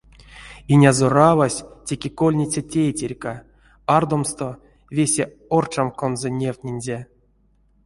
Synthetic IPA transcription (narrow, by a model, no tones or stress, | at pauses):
inʲazoravasʲtʲekʲeko̞lʲnʲit͡sʲatʲejtʲerʲka | ard̪o̞mst̪o̞ | vʲesʲe | ort͡ʃamkonzonʲewt̪ʲnʲenʲzʲe